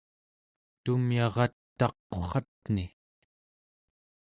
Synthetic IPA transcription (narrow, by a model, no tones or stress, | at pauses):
t̪umjɑʁɑt̪ːɑqːoχɑt̪̚ni